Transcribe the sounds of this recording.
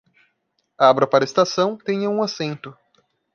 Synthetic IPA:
aabɾɐpaɾɐest̪asɐ̃w̃t̪ẽɲɐũasẽnt̪ʊ

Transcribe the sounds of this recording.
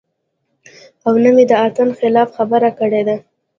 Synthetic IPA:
awnəmed̪əɑt̪ənxɪlɑfxabəɾakəɽed̪a

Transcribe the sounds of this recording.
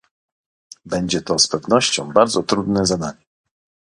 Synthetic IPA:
bɛɲd͡ʑɛt̪ɔspɛvnɔɕt͡ɕɔ̃w̃baɾd̪zɔt̪ɾud̪nɛzad̪aɲɛ

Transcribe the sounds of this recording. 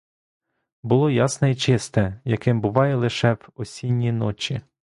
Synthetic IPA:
bʊlˠɔjɑsnɛit͡ʃɪst̪ɛjɐkɪmbʊʋɑjɛlˠɪʃɛʋɔsʲinʲːinɔt͡ʃʲi

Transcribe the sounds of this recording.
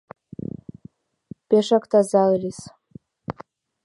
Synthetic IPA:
peʂakt̪ʰazallʲis

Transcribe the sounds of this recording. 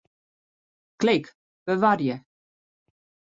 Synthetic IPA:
klɪk | b̥əʋarjə

